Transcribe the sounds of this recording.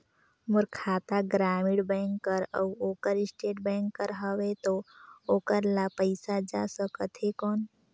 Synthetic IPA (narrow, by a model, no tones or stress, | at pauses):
mʊɾkʰaːt̪aɡɾaːmiɽbɛ̃ŋkːəɾə̰uoːkəɾɪsʈeːʈbɛ̃ːŋkːəɾɦəʋet̪ooːkəɾlapəɪsad͡ʒasəkət̪ɦekɔːn